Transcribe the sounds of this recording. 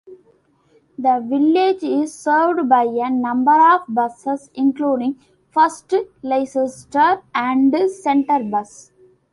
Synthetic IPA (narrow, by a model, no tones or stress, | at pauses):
d̪əʋɪled͡ʒɪzsəːɾʋɖbaɪenʌ̃mbəɾɔːʋbʌsesɪ̃ŋkluːɖĩŋ | fʌsʈleɪsəsʈəːpæ̃ɳɖsẽɳʈəɾbʌs